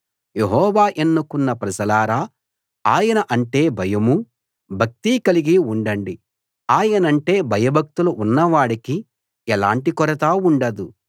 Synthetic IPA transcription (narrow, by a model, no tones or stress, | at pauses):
je̞ɦɔːʋaːʔenːukunːɐpɾɐd͡ʒɐlaːɾaː | aːjɐnɐʔɐɳʈe̞ːbʱɐjɐmu | bʱɐk̚t̪iːkɐliɡiuɳɖɐɳɖi | aːjɐnɐɳʈe̞ːbʱɐjɐbʱɐk̚t̪uluʔunːɐʋaːɽiki | ɛlaːɳʈikɔɾɐt̪aːuɳɖɐd̪u